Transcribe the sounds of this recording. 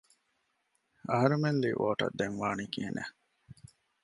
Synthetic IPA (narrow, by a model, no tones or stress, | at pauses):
ɐɦɐɾumenliʔʔoːʈɐ̰d̪ːeŋʋaːniːkiɦenḛ